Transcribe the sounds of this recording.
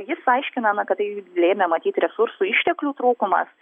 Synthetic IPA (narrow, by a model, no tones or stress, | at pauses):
jɪsɐɪʃʲkʲɪnɐnɐkɐt̪ɪlʲeːmʲɛmɐt̪ʲiːt̪ɾʲɛsuɾsuɪʃʲt̪ʲɛklʲuːt̪ɾuːkʊmɐ̰s